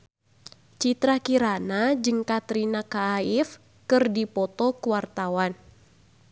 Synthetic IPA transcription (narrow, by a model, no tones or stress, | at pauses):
t͡ʃit̪ɾakiɾanad͡ʒɨŋkat̪ɾinakaːif | kɨrdipɔt̪ɔkuwart̪awan